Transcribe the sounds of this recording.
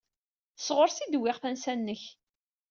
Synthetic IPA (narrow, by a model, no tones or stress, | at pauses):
θəsʁʊɾsid̪wɪʁθænsænːəç